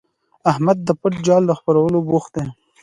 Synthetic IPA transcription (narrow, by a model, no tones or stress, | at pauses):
ahmad̪̚ːəpəʈ̚d͡ʒɑld̪əxpaɾawəloboxt̪̚d̪e